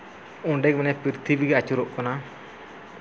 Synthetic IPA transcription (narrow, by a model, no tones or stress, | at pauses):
ɔɖɛk̚mɛnɛpɾiɾt̪ʰibiɡɛat͡ʃuɾɔʔkɔna